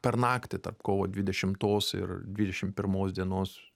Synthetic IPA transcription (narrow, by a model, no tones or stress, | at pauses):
pʲɛrnɑːkt̪ʲɪt̪ɐ̰rpkoːʋoːd̪ʲʋʲɪd̪ʲɛʃʲɪmt̪oːsɪ̰rd̪ʲʋʲɪd̪ʲɛʃʲɪmpʲɪɾmoːsd̪ʲiɛnoːs